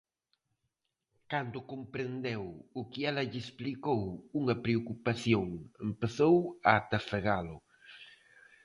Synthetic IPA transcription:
kand̪ʊkompɾend̪ewʊkɪɛlɐʎesplikowuŋɐpɾeokupaθjoŋempeθowaːt̪afeɣalʊ

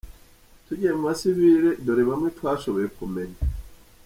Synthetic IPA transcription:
tuɟijemumasiβiɾedoɾeβamŋetwaːʃoβojekumeɲe

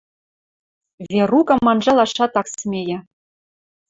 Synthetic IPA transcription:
vʲerukɤ̆mɑnʒɑlɑʃɑt̪ɑksmʲejɘ̆

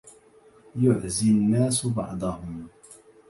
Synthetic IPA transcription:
jʊʕzɪnːaːsbɑ̰ʕd̪ˤɑhʊm

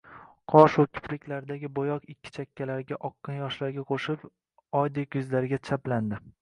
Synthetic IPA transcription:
qʰɒʃokʰʲɪ̥plɪkʲlaɾd̪aɡʲɪbojɒqɪkʲːɪ̥t͡ʃʰakʲʰːalaɾɡʲaʔɒqʰːɨnjɒʃlaɾɡʲaqʰoʃɪp | ɒjd̪ekjʊzlaɾɪɡʲat͡ʃʰapland̪ɪ

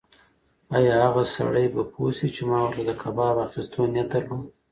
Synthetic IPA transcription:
ɑjɑhaɣasa̰ɽəjbapʰosit͡ʃemɑwɾt̪ad̪əkʰabɑbaxist̪ʰonat̪alo

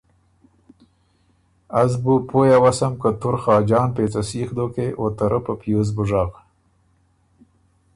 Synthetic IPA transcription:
azbupojawasamkət̪ʊɾxɑːd͡ʒɑːnpeːt͡sasiːxd̪okeʔot̪aɾʔəpəpjoz̬bʊʐaːɣ

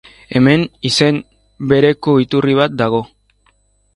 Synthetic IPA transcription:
e̞me̞nise̞m | be̞ɾe̞ko̞it̪uriβ̞at̪̚d̪aɣ̞o̞

